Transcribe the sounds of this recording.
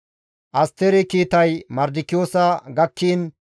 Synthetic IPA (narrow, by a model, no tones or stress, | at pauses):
ʔɐst̪eɾɛkiːt̪ɐjmɐɾd̪ɪkːɪjoːsɐɡɐkʰːiːn